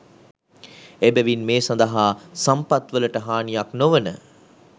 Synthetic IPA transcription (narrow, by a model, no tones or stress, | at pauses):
ebæʋinmeːsand̪əɦaːsampat̪ʋələʈəɦaːnijaknoʋənə